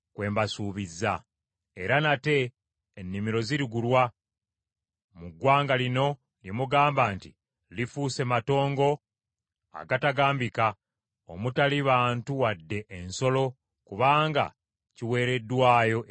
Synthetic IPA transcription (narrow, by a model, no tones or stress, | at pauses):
kwe̞ːmbasuːβizːa | e̞ɾanate̞ː | nːimiɾo̞ziɾiɡulwa | muɡwaːŋɡalino̞ | ljemuɡaːmbaːntḭ | lifuːse̞mato̞ːŋɡo̞ | a̰ɡataɡaːmbika | o̰mutaliβaːntuwadːe̞ʔːnso̞lo̞ | kuβaːŋɡa̰ | ciwe̞ːɾe̞dːwaːjo̞